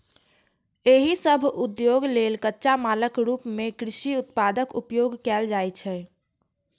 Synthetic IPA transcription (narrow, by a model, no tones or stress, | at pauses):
eɦisəbʱʊd̪joːɡleːlkətːʃamaːləkɾuːpmẽkɾɪʃiʊt̪paːd̪əkʊ̰pjoːɡkɛːld͡ʒaːjt͡ʃʰɛ